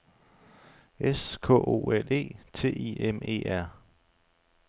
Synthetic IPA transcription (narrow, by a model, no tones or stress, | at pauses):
ʔeskʰɔ̰̽ːʔo̝̰ːele̝̰ːt͡sʰe̝̰ːieme̝̰ːæɐ̰